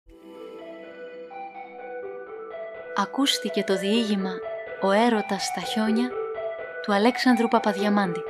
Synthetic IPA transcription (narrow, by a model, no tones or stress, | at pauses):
ɐkust̪ice̞t̪o̞ðiiʝimɐo̞e̞ɾo̞t̪ɐst̪ɐço̞ɲɐ | t̪uɐle̞ksɐnd̪ɾupɐpɐðʝɐmɐnd̪i